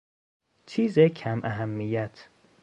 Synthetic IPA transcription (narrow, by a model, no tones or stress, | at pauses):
t͡ʃʰiːzecʰæmʔæɦæmːijæt̪ʰ